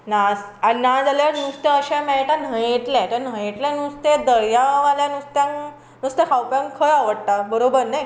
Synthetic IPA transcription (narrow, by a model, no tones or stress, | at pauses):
nas | aɾinad͡zalaɾnust̪eəɕɛ̃mɛɭʈan̤əjeʈlɛ̃t̪ən̤əjeʈlɛ̃nũst̪ẽd̪əɭjaʋaljanũst̪jãŋ | nũst̪ẽkʰawpjãŋkʰəjaʋəɽʈabəɾobəɾnaj